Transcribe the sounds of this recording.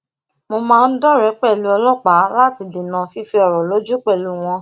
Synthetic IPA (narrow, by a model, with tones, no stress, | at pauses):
mo˧mãː˦˧n̩˦dɔ˦˨ɾɛ˨˦k͡pɛ˦˨lu˧ɔ˧lɔ˦˨k͡pa˨˦la˦ti˧di˨nã˨fi˧˦fi˧ɔ˨ɾɔ˨lo˨˦d͡ʒu˦k͡pɛ˦˨lu˧˦w̃ɔ̃˧